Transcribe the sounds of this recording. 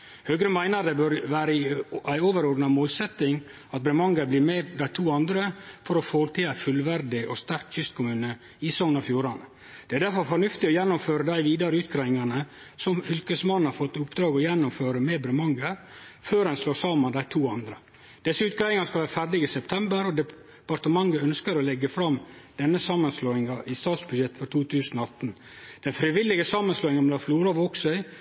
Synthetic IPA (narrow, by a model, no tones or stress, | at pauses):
høːɡɾəmæɪnəd̪ɛbøɾʋæːɾəæɪoːʋəɾɔːɖnɑmoːlsɛt̪ːɪŋ | ɑt̪̚bɾɛmɑŋɡəɾbliːɾmɛd̪æɪt̪ʰuːɑnd̪ɾəfɔɾɔfoːɾt̪ʰɪæɪfʉlʋæɾd̪ɪʔɔst̪æɾkçʏst̪̚kʰʊmʉːnə | ɪsɔŋnɑfjuːɾɑnə | d̪̥ɛæɖæɾfɔɾfɔɳʉft̪ɪɔjɛnːʊmføːɾəd̪æɪʋiːd̪ɑɾəʉːt̪ɡɾæɪɪŋɑnə | sɔmfʏlkəsmɑnːhɑɾfɔt̪ːʊpːd̪ɾɑːɡɔjɛnːʊmføːɾəmeːbɾɛmɑŋɡəɾføːɾɛnsloːsɑːmənd̪æɪt̪ʰuːɑnd̪ɾə | d̪̥ɛsːəʉːt̪̚ɡɾæɪɪŋɑnskɑlʋæːɾəfæɾɖ̪ɪɡəsɛpt̪ʰɛmbəɾɔd̪ɛ | pɑɾt̪əmɑŋɡəœnskəɾɔlɛɡəfɾɑmd̪̥ɛnːəsɑːmənsloːɪŋɑʔɪst̪ɑːt̪sbʉd̪jɛt̪ːfɔɾt̪ʰuːt̪ʰʉːsənɔɑt̪ːn | d̪̥ɛnfɾɪʋɪlːɪɡəsɑːmənsloːɪŋɑnmɛd̪ɑfluːɾɑʋɔksœɪ